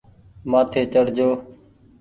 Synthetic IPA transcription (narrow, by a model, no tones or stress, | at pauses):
maːt̪ʰeːt͡ʃəɽd͡ʒoː